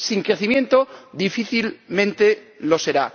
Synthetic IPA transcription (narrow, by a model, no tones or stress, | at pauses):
siŋkɾe̞θimjẽ̞nt̪oðifiθilmẽ̞nt̪e̞ | lo̞se̞ɾa